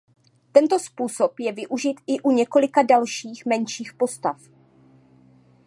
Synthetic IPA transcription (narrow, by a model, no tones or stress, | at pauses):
t̪ɛnt̪o̞spuːso̞pjɛvɪʔuʒɪt̪ɪʔuɲɛko̞lɪkadalʃiːxmɛnʃiːxpo̞st̪af